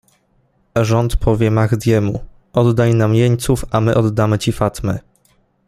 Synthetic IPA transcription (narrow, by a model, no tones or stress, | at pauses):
ʐɔnt̪pʰɔvʲjɛmaɣd̪ʲjɛmu | ʔɔd̪ːajnamjɛɲt̪sufamɘʔɔd̪ːamɘt͡ɕifat̪mɘ̰